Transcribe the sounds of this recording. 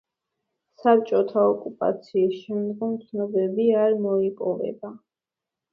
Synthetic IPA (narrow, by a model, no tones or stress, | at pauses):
sap̚t͡ʃʼɔt̪ʰaɔkʼupʼa̰t̪sʰiːsʃɛmd̪ɡɔmt̪sʰnɔbɛbiaɾmɔipʼɔvɛ̰ba